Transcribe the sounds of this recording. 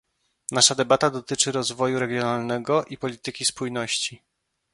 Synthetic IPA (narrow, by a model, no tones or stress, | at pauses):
naʂad̪ɛbat̪ad̪ɔt̪ɘt͡ʂɘɾɔzvɔjuɾɛɡʲjɔnalnɛɡɔʔipɔlʲit̪ɘkʲispujnɔɕt͡ɕi